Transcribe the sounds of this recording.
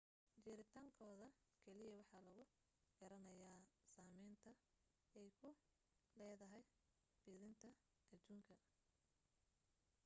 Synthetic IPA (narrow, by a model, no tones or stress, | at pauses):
d͡ʒɪɾɪt̪ʰaːŋkʰɔːðɐkʰɛlɪjɐwɑħɑːlɐɣʊ | ɡ̥ɐɾɐnɐjaːsaːmɛjnt̪ʰɐ | ɛjkʰʊ | lɛːðɐɦɛj | b̥ɪðɪnt̪ʰɐ | ʔɐd̪uːŋkʰɐ